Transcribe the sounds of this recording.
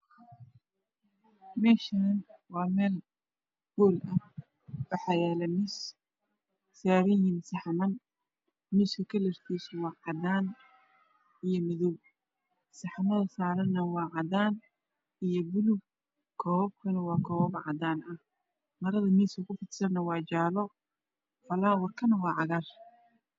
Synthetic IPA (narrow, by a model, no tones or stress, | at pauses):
mɛːʃɐɐnwɑːmɛːl | ɡ̥ɔːlɐ | wɑħɑːjɛːlɛmɪs | saːɾɪjɪnsɑħmɐn | miːskɐkʰɐlɛrt̪ʰisɔwɑːʕɑdaːn | ijɔmɪðɔw | sɑħɑmɐðɐsaːɾɐnːɐwɑːʕɑdaːn | ijɔbʊlʊb | kʰɔːb̚kʰɐnɐwɑːkʰɔːbʕɑ̰d̪aːnɐh | mɐɾɐðɐmiːskɐkʰʊfɪt̪sɐnːɐwɑːt͡ʃaːlɔ | fɐlaːwɐrkʰɐnɐwɑːʕɑɣar